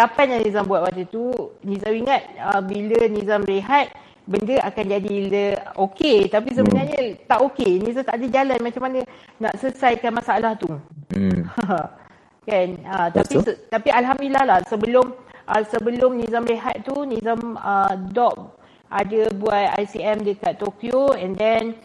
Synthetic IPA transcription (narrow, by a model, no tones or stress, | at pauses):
tapajnjaŋnĩzambuat̪wat̪ət̪unĩzamiŋat̪̚əbilənĩzamreɦat̪̚ | bəndəakand͡ʒadiləoket̪apis̬əbənarɲət̪aʔokenĩzamt̪aʔdəd͡ʒalanmat͡ʃamanə | naʔsəsajkanmasaalaht̪u | kanət̪apisət̪apiʔalɦamdilahlahsəbəlʊmʔəsəbəlʊmnizamɾeɦa̰t̪̚t̪ːunĩzamədɔʔ̚ | ʔadəbuat̪̚a̰jsiɛmdəkat̪ːokjoɛndɛn